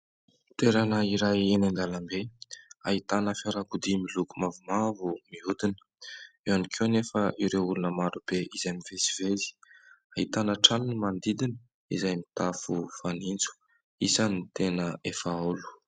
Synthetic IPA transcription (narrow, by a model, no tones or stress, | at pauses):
t̪eɾanəiɾajenend̪alambeaɦit̪anəfaɾakud̪imilukumavumavumiud̪inə̥ | ewanikʰewnefəʔiɾeulunəmaɾub̥eʔizajmivesi̥vezi̥aɦit̪anəʈ͡ʂalinimand̪id̪inə | izajmit̪afufanint͡su̥ | isanit̪enəefaulu̥